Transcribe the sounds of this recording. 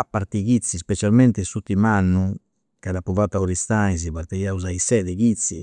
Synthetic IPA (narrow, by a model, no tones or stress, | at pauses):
apːaɾt̪iɣit̪sːispɛt͡ʃalmɛnt̪ɛsut̪ːimanːu | kadapuvat̪ːaɔɾist̪aiz̬iβaɾt̪ɛjauzaisɛːðɛɡit̪si